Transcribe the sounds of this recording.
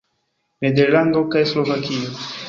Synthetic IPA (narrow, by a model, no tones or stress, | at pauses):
med̪eɾlaŋɡokajslovakio